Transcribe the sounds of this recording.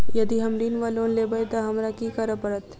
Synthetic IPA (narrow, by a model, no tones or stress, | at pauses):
jɐd̪iɦɐmɾiːnʋaloːnlebɐet̪aɦɐmɾakikaɾəpɐɾət̪